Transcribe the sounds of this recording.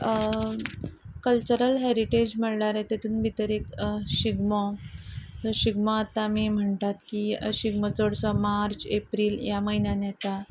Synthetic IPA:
kəlt͡ɕəɾəlɦɛɾiʈed͡ʑməɽɽaɾet̪et̪uːnbʱit̪əɾekɕiɡmɔ | ɕiɡmɔat̪ːamiːm̤əɳt̪at̪kiɕiɡmət͡soɽsɔmaɾt͡ɕepɾiːljaməɦinjanjɛt̪a

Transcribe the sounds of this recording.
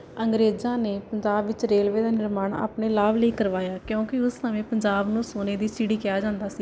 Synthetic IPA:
əŋɡɾeːzãːneːpəɲd͡ʒaːbʋɪt͡ʃɾeːlʋeːd̪aːnɪɾmaːɳa̰ːpneːlaːbləiːkəɾʋaːjaːkjõːkɪʊssəʋẽːpəɲd͡ʒaːbnũːsoːneːd̪iːsiɽiːkɪjaːd͡ʒãːnd̪aːsiː

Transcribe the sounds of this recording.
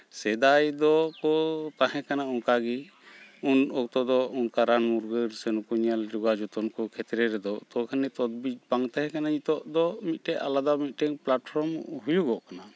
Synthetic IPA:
sɛd̪ajd̪ɔkɔt̪aɦɛ̃kanaɔŋkaɡi | unɔk̚t̪ɔd̪ɔɔŋkaɾanmuɾɡəɾsɛnukɔɲalɾuɡad͡ʒɔt̪ɔnkɔkʰɛt̪ɾɛɾɛd̪ɔt̪ɔkʰanɛt̪ɔd̪bid͡ʒ̚baŋt̪aɦɛ̃kanaɲit̪ɔʔd̪ɔmit̪̚ʈɛalad̪amit̪̚ˀʈɛŋplaʈpʰɔɾmɦujuɡɔʔkana

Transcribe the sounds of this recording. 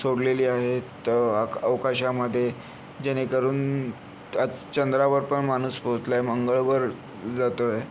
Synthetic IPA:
soɽleliːaɦet̪əəʋkaɕaməd̪ʱːje | d͡ʑenekəɾuːn | ad͡zt͡ɕənd̪ɾaʋəɾpəɳmanuːspot̪laeməŋɡəɭʋəɾ | d͡zat̪oje

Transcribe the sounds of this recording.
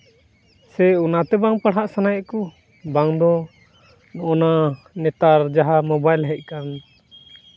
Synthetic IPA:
sɛunat̪ɛbaŋpaɽɦaʔsanajɛʔkɔ | baŋd̪ɔ | nɔʔɔna | nɛt̪aɾd͡ʒaɦamɔbajlɦɛc̚ˀkan

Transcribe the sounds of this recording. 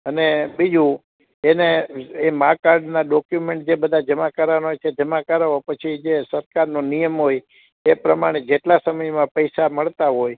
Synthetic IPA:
ənebid͡ʒʱũ | eneemakaɾɖnaɖɔkjumẽɳʈ̚d͡ʒebəd̪ʱad͡ʒəmakəɾanɦojt͡ʃʰed͡ʒəmakəɾaɦopət͡ʃʰid͡ʒesəɾkaɾnonijəmɦoj | epɾəmaɽ̃ed͡ʒeʈlasəməjmãpəjsaməɭt̪aɦoj

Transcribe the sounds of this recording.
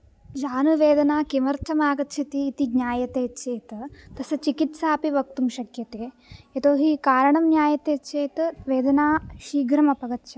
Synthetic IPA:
d͡ʒaːnuʋeːd̪ɐnaːkemɐɾt̪ʰɐmaːɡɐt̪t͡ʃʰit̪iːt̪iɡɲʲaːjɐt̪eːtːt͡ʃeːt̪ɐt̪ɐsɐt͡ʃikit̪saːpiʋɐk̚t̪umʃɐkjɐt̪eː | et̪oːɦikaːɾɐɳɐmnjaːjɐt̪eːtːt͡ʃeːt̪ʋeːd̪ɐnaːʃiːɡɾɐmɐpɐɡɐt̪ːʃɐ

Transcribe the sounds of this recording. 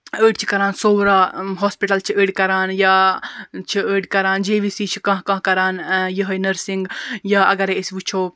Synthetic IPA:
əːɖt͡ʃʰi̥kɐɾaːnsoːɾaːɦoːspiʈɐlt͡ʃʰiəːɽʲkɐɾaːnjaːt͡ʃʰiəːɖʲkɐɾaːnd͡ʒeːʋisiːt͡ʃʰi̥kɐ̃ɦkɐ̃ɦkɐɾaːnjiɦɐnɐɾsiŋɡjaːɐ̰ɡɐɾeisʲʋut͡ʃʰoː

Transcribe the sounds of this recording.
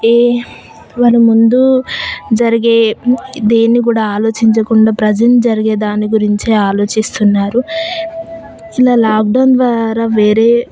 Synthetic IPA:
eː | ʋaːlɐmund̪ud͡ʒɐɾiɡe̞ːd̪eːnːik̬uːɽaːaːlo̞ːt͡ʃiɲt͡ʃɐkuɳɖaːpɾɐd͡ʒɐnid͡ʒɐɾiɡeːd̪aːnːiɡuɾiɲt͡ʃeaːlo̞ːt͡ʃist̪unːaːɾu | ilaːlaːk̚ɖɐwnd̪ʋaːɾaːʋeːɾe̞ː

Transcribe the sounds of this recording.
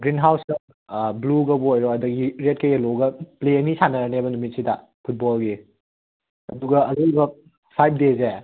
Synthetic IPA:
ɡɾinɦawsɐ | bluɡɐbuojɾɔɐdɐɡiɾet̚kɐjelɔɡɐpleənisanɐɾɐnebɐnumit̚sida | pʰut̚bɔlɡi | ɐduɡɐɐlubɐ | pʰajp̚ʰdeze

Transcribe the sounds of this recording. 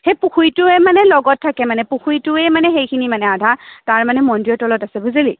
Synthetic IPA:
xepuxʰujtʊɛmanɛlɔɡɔtʰːakɛmanɛpuxʰujtʊɛmanɛxejkʰinimanɛadʱataɹmanɛmɔndijɔtɔlɔtasɛbuzelḭ

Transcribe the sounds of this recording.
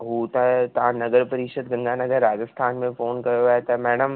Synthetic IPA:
ɦuːt̪aɦt̪ɐʋãnɐɡəɾpɐɾɪʃəd̪̚ɡɐ̃ŋɡanɐɡəɾːaːd͡ʑəst̪ʰaːnmẽfoːnkɐjoaːet̪ɐmɛːɽəm

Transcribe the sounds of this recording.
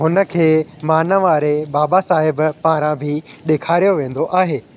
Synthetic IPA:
ɦʊnə̆kʰeːmaːnəʋaːɾebaːbasaːɦɪbpãːɾãbʱɪɗeːkʰaːɾijoʋẽːn̆d̪oʔaːɦeː

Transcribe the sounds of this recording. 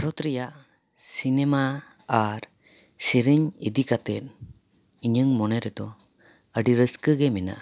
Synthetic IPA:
bʱaɾɔt̪ɾɛjaʔ | sinɛma | aɾ | siɾiɲid̪ikat̪ɛt̪̚ | iɲəŋmɔnɛɾɛd̪ɔ | əɖiɾəskəɡɛmɛna̰ʔa

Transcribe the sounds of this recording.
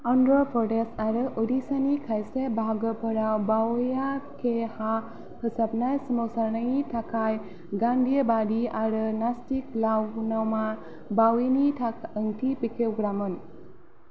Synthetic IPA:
ɔndɾɔpʰɔʈesaɾɯʔuɾisanikʰajsebʱaɡəpʰəɾawbawjakʰeha | pʰəsapnajsəmɔwsaɾnajitʰakʰaj | ɡandijəbadiaɾɯnastiklawnawma | bawinitʰaəŋtʰipikʰewɡɾamɯn

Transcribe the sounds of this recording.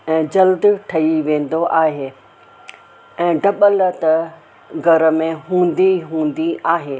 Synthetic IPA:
ɛ̃ːd͡ʑɐld̪ʈʰɐiʋẽːn̆d̪oʔaːɦeː | ɛ̃ːɖɐɓələt̪ɐ | ɡʱɐɾə̆mẽɦũːnd̪iɦũːnd̪iʔaːɦeː

